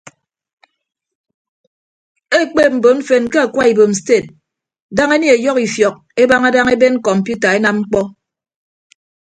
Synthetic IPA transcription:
e˦k͡pe˦˨p̚m̩˨bo˨ɱ̩˦fe˦n˦ke˦a˨kwa˦i˨bo˨m̩˨ste˦˨t̚ | da˦ŋe˦ni˨e˨jɔ˦ki˨fjɔ˨k̚e˦ba˦ŋa˦da˦ŋe˦be˦nŋ̩˦kɔ˨m̩˨pju˦ta˨e˦na˦mŋ͡m̩˦k͡pɔ˦

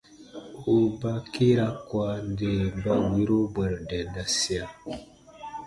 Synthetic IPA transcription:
o˨ba˦ki˦ɾa˦kwa˦nde˨mba˨wi˦ɾo˦bɛ˨ɾdɛ˨nda˨si˦a˨

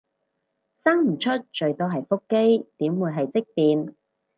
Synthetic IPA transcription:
saː˥ŋm̩˨˩t͡ʃʰɵ˥t̚t͡ʃɵ˨˧ɥt̪ɔː˥ɦɐ˨jfʊ˥kːe˥jt̪iː˨˥mwuː˨˧jɦɐ˨jt͡sɪ˥k̚piː˨n

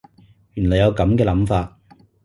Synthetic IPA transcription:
jyː˨˩nlɔ˨˩jɐ˨˧wkɐ˨˥mkɛː˧lɐ˨˥mfaː˧t̚

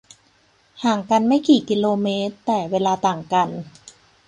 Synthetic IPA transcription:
haː˨˩ŋka˧nma˥˩jkiː˨˩ki˧loː˧meː˦˥t̪ːɛː˨˩weː˧laː˧t̪aː˨˩ŋka˧n

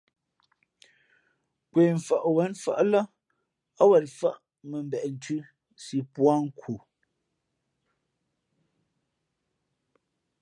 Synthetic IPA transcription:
kwe˨ɱ̩˨fa˨ʔwɛ˨˦nfa̰˦ʔla˦ | a˦wɛ˨ɾfa̰˦ʔ | mə˨m̩˦bɛ˨ʔn̩˨tʰʉ˦ | si˨pwa˦ŋ̩˦kʰu˨

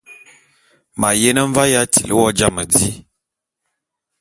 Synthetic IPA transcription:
ma˨je˦nə˦ɱ˦va˦ja˦tḭ˨lʔə˦wɔ˦d͡ʒa˦˨mə˨di˦

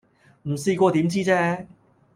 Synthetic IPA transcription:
m̩˨˩siː˧kʷɔː˧t̪iː˨˥mt͡siː˥t͡sɛː˥

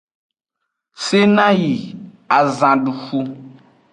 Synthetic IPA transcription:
se˦nã˦ji˨ | a˨zã˨ɖu˨xu˦

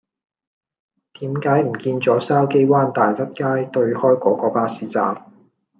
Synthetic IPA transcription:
t̪iː˨˥mkaː˨˥jm̩˨˩kiː˧nt͡sɔː˨˥saː˥wke˥jwaː˥nt̪aː˨jt͡sɐ˥t̚kaː˥jt̪ɵ˧ɥhɔː˥jkɔː˨˧˥kɔː˨˧paː˥siː˨˥t͡sa̰ː˨t̚

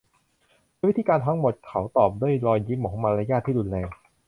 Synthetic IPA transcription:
wi˦˥t̪ʰiː˧kaː˧nt̪ʰa˦˥ŋmo˨˩t̪̚kʰa˦wt̪ɔː˨˩p̚duː˥˩əjɾɔː˧jːi˦˥mːɔː˨˩˦maː˧ɾa˦˥jaː˥˩t̪ʰːiː˥˩ɾu˧nlɛː˧ŋ

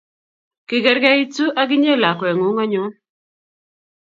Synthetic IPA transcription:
kɪ˨ɡɛ˨ɾɡɛ˦i˦tu˦ʔa˦ɡɪ˦ɲe˦˨la˨kwɛ˨ŋu˨˦ŋɔ˦ɲu˦

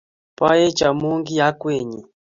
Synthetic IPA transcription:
pa˦je˦t͡ʃa˨mu˦ŋɡi˦ja˦kwe˨ɲi˨

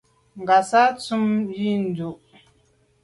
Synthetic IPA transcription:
ŋ˨ɡa˨sa˦t͡su˦mji˦n˨du˨

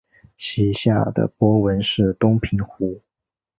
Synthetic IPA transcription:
ɕi˧˥ɕja̰˥˩d̪ə̰˩pwɔ˥wə˧˥nʂɻ̩˥˩t̪ʊ˥ŋpʰi˧˥ŋxu˧˥

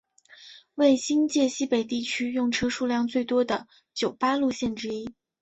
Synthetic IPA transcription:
we˥˩ɪɕi˥nt͡ɕjɛ˥˩ɕi˥pe˨˩ɪt̪i˥˩t͡ɕʰy˥jʊ˥˩ŋʈ͡ʂʰɤ˥ʂu˥˧ljɑ˥˧ŋt͡swe˥˩ɪt̪wɔ˥d̪ə˨ | t͡ɕjo˨˩ʊpa˥lu˥˧ɕjɛ˥˩nʈ͡ʂɻ̩˥i˥

